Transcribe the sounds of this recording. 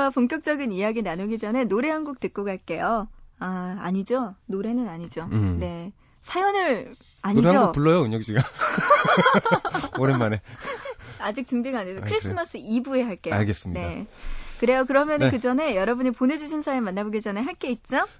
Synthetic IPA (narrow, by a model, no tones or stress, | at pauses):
apoŋkjʌk̚t͡ɕ͈ʌɡinijaɡinanoɡid͡ʑʌne̞noɾe̞ɦanɡuk̚tɯk̚k͈okaɭ̚k͈e̞joaa̰ɲid͡ʑonoɾe̞nɯnaɲid͡ʑone̞ | sʰajonɯɾ | aɲiaoɡupuɭːʌjoɯɲokɕ͈iɡa | oɾenmane | ad͡ʑik̚t͡ɕuŋbiɡaːɲesʰʌkʰɯɾis͈ʰɯmas͈ʰɯibue̞ɦaɭk͈ejao̰ɭɡes͈ɯmɲine̞kɯɾe̞jokɯɾʌmjʌnɯnkɯd͡ʑʌne̞jʌɾʌbuɲipone̞d͡ʑuɕʰinsʰajoɭmanːaboɡid͡ʑʌneɦaɭk͈e̞it̚t͡ɕ͈o